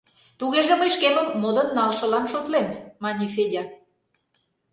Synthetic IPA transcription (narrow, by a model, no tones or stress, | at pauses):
t̪uɣeʒĕməjʃkeməmːod̪ə̆nːɑlʃə̆lɑnʃot̪lemːɑnʲifedʲɑ